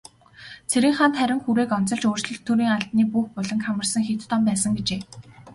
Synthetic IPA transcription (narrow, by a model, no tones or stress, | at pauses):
t͡sʰeɾĭːŋχaːnt̪χæɾʲɪ̆ŋxuɾeːkɔn̥t͡sɞ̆ɮt͡ɕoːr̥t͡ɕɮɵ̆ɮt̪ʰːuɾiːŋaɮt̪niːpuːxpʊɮɞ̆ŋkʰamə̆rsə̆ŋxit̪t̪ɔmpæːsə̆ŋɡet͡ɕeː